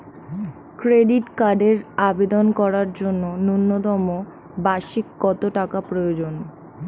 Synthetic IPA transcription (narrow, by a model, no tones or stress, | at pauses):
kɾeɖiʈkaɖeɾabed̪onkɔɾaɾd͡ʑonːonunːot̪ɔmo | baʃikːɔt̪oʈakapɾojod͡ʑon